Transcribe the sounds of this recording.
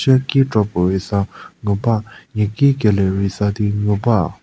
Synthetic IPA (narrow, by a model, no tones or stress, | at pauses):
ɕaʔkiːʈ͡ʂɔpoɹisaŋøpaɲakiːkelɛɹisat̪iŋøpa